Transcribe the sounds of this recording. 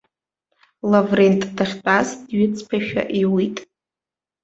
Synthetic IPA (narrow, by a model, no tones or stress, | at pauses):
lavrentʼd̥aχʲt͡pʼasdɥɪt͡sʰʼpʰaʃᶣa̰ʔiwitʼ